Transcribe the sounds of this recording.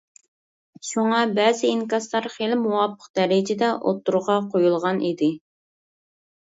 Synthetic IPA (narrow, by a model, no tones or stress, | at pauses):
ʃuŋɑbɛːzɪiŋkɑslˠɑɾχelɪmuwɑpʰːə̥q̚d̪̥ɛɾɪd͡ʒɪd̪ɛʔo̰t̪ːuɾʁɑqʰojulˠʁɑnʔid̪ɪ